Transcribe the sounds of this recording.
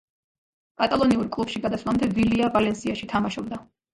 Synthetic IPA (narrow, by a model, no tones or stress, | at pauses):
kʼat̪ʼalˠɔniuɾkʼlˠub̥ʃiɡad̪asʰvlˠamd̪ɛviliavalɛnsiaʃit̪ʰamaʃɔbd̪a